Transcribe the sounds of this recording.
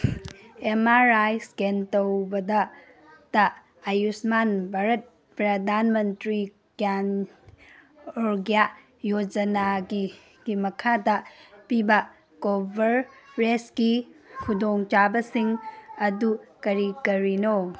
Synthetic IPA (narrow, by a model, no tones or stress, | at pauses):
emaɾajskentowbɐdɐ | d̥ɐː | jusmanbʱaɾɐt̚ | pɾɐdanmɐntɾi | kan | oɾɡja | jod͡ʒɐnaɡi | ɡimɐkʰadɐpibɐ | kobʱɐɾɾeskikʰudoŋt͡ʃabɐsiŋɐdukɐɾikɐɾino